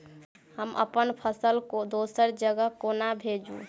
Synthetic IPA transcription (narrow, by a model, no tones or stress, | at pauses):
həmʔə̰pənpʰəsəlkod̪osəɾd͡ʒəɡəkonabʱed͡ʒṵ